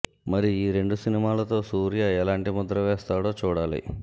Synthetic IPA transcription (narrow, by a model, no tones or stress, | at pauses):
mɐɾiiːɾe̞ɳɖusinimaːlɐt̪o̞ːsuːɾijaːɛlaːɳʈimud̪ɾɐʋɛːst̪aːɽo̞ːt͡ʃuːɽaːlḭ